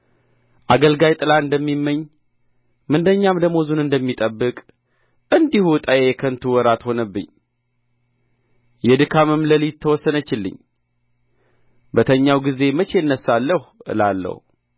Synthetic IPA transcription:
ʔaɡəlɡajt̪ʼɨlaɨnd̪əmːimːəɲː | mɨnd̪əɲːamd̪əmːo̞zunɨnd̪əmːit̪ʼəbːɨkʼ | ʔɨnd̪ihut̪ʼajejɛkʰənt̪ʰuwɔɾat̪ho̞nəbːɨ̰ɲː | jɛd̪ɨkʰamɨmləlit̪ʰːəwɔsːənət͡ʃːɪlːɨ̰ɲ | bət̪ʰəɲːawɡize̞mət͡ʃeɨnːəsːalːəhuɨ̰lalːə̰h

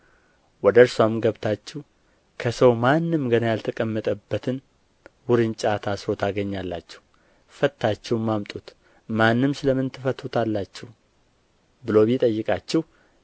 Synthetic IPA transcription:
wɔd̪əɾswamɡəβt̪ʰat͡ʃːɛh | kʰəsəwmanːɨmɡənajalt̪ʰəkʼəmːət̪ʼəbːət̪ʰɨn | wʊɾɨnt͡ʃʼat̪ʰasot̪ʰaɡəɲːalːa̰t͡ʃːɛ̥h | fət̪ʰːat͡ʃːɛwmːamt̪ʼut̪ | manːɨmsɨləmɨnt̪ʰɨfət̪ʰut̪ʰalːat͡ʃːɛh | bɨlo̞βjit̪ʼəjːɨkʼat͡ʃːɛh

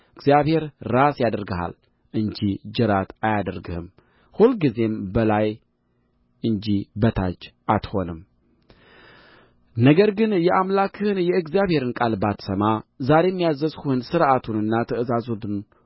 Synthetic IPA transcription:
ɨɡzjaβhe̞ɾːasjad̪əɾɡəha̰l | ʔɨɲd͡ʒid͡ʒɨɾat̪ajad̪əɾɡɨhɨ̰m | hulɡize̞mbəlaj | ʔɨɲd͡ʒibət̪ʰat͡ʃː | at̪ho̞nɨm | nəɡəɾɡɨnjɛʔamlakʰɨhɨnjɛɨɡzjaβhe̞ɾɨnkʼalbat̪səmazaɾe̞mːijazəzhuhɨnsɨɾat̪ʰunɨnːat̪ʰəɨzazud̪n

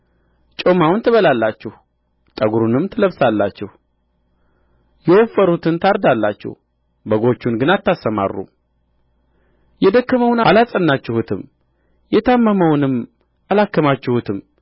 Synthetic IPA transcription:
t͡ʃʼomawʊnt̪ʰɨβəlalːat͡ʃːɛh | t̪ʼəɡuɾunɨmt̪ʰɨləβsalːat͡ʃːɛh | jɛwofːəɾut̪ʰɨnt̪ʰaɾd̪alːat͡ʃːɛ̰h | bəɡo̞t͡ʃːunɡɨnat̪ʰːasːəma̰rːṵ | jɛd̪əkːəməwnalasʼənːat͡ʃːɪhut̪ʰɨm | jɛt̪ʰamːəməwnɨm | ʔalakːəmat͡ʃːɪhut̪ʰɨm

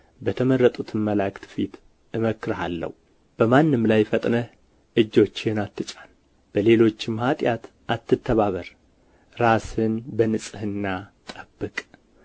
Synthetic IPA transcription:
bət̪ʰəmərːət̪ʼut̪ʰɨnməlakʼt̪ʰɨfit̪ | ɨməkːɨɾɦalːə̰hu | b̥əmanːɨmlajfət̪ʼnə | ʔɨd͡ʒːo̞t͡ʃːɪnat̪ːɨt͡ʃʼan | b̥əle̞lo̞t͡ʃːɪmhat̪ʼjat̪ | ʔat̪ːɨt̪ʰːəβaβəɾ | ɾasɨnbənɨsʼɨhɨnːat̪ʼəbːɨkʼ

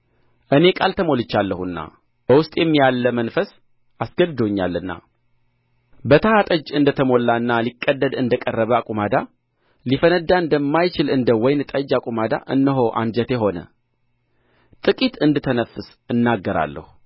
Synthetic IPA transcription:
ʔɨne̞kʼalt̪ʰəmo̞lɨt͡ʃːalːəhuɨnːa̰ | b̥əwʊst̪ʼjɛmːijalːəmənfəs | ʔasɡəd̪d̪oɲːa̰lːɨnːa̰ | bət̪ʰəhat̪ʼəd͡ʒɨnd̪ət̪ʰəmo̞lːaɨnːalikʼːəd̪ːəd̪ɨnd̪əkʼərːəβəakʼumad̪a | lifənəd̪aɨnd̪əmːajt͡ʃɪlɨnd̪əwɔjnt̪ʼəd͡ʒakʼumad̪a̰ʔɨnːəɦo̞ʔa̰nd͡ʒət̪jɛɦo̞nə̰ | t̪ʼɨkʼit̪ɨnd̪ɨt̪ʰənəfɨs | ɨnːaɡːəɾa̰lːə̰hu

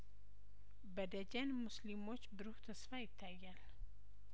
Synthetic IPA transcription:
bəd̪əd͡ʒɛnmuslimo̞t͡ʃːbɨɾuht̪ʰəsfajɪt̪ʰːajːal

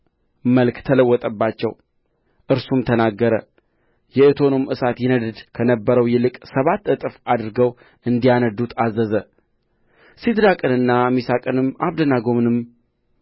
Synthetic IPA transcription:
məlkt̪ʰələwːɔt̪ʼəbːat͡ʃːɛ̰w | ʔɨɾsumt̪ʰənaɡːəɾə̰ | jɛɨt̪ʰo̞nomʔɨsat̪jɪnəd̪ɨd̪kʰənəbːəɾəwjɛlɨkʼsəβat̪ːɨt̪ʼɨfad̪ɨɾɡəw | ɨnd̪ijanəd̪ut̪ʰazːəzə | sid̪ɾakʼɨnɨnːamisakʼɨnɨmaβd̪ənaɡomnɨm

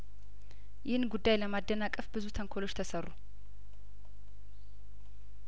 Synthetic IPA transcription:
jɪhnɡud̪ːajləmad̪ːənakʼəfbɨzut̪ʰəŋkʰolo̞t͡ʃːt̪ʰəsərːu

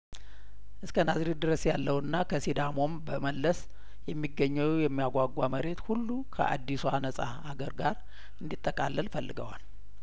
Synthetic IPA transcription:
ʔɨskʰənazɾid̪ɨɾəsjalːəwɨnːakʰəsid̪amo̞mbəməlːəs | jɛmːiɡːəɲːəwjɛmːijaɡʷaɡʷaməɾe̞t̪hulːukʰə̰ʔa̰d̪ːisuanəsʼa̰haɡəɾɡaɾ | ɨnd̪it̪ʼːəkʼalːəlfəlːɨɡəwa̰l

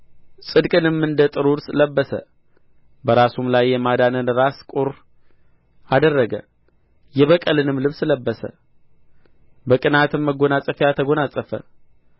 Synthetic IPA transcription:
sʼɨd̪kʼɨnɨmːɨnd̪ət̪ʼɨɾuɾsləbːəsə̰ | bəɾasumlajːɛmad̪anənɾaskʼuɾ | ad̪ərːəɡə̰ | jɛβəkʼəlɨnɨmlɨβsləbːəsə̰ | bəkʼɨnat̪ɨmːəɡo̞nasʼəfejat̪ʰəɡo̞nasʼəfə̰

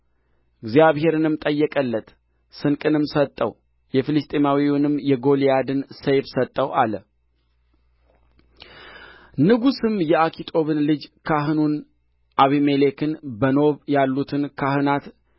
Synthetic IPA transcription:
ʔɨɡzijaβhe̞ɾɨnɨmt̪ʼəjːɛkʼəlːət̪ | sɨnkʼɨnɨmsət̪ʼːə̰w | jɛfilɨst̪ʼemawiwnɨmːjɛɡo̞liad̪ɨnsejfsət̪ʼːəwʔalə | nɨɡusɨmjɛakʰit̪ʰʼo̞βɨnlɨd͡ʒkʰaɦɨnun | ʔaβimelekʰɨnbəno̞βjalːut̪ʰɨnkʰahɨnat̪

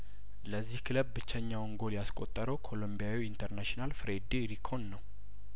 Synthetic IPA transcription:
ləzːihkʰɨləbːɨt͡ʃːɛɲːawɨŋɡo̞ljaskʼot̪ʼːəɾəwkʰo̞lombijawiint̪ʰəɾnaʃinalfɾed̪eɾikʰo̞nːəw

